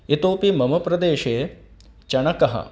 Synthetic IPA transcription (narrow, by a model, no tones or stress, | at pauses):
it̪oːpimɐmɐpɾɐd̪eːʃeː | t͡ʃɐɳɐkɐɦɐ̰